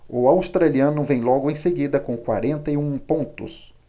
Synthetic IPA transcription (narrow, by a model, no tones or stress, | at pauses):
ʊawst̪ɾaliɐ̃nʊvẽj̃lɔɡʊẽj̃seɡid̪ɐkõkwa̰ɾẽnt̪ɐɪũpõnt̪ʊ̰s